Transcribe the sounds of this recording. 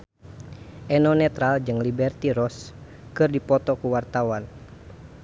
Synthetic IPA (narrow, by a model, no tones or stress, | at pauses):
ʔɛnɔnɛt̪ɾald͡ʒɨŋlibɛrt̪iɾɔs | kɨrdipɔt̪ɔkuwart̪awan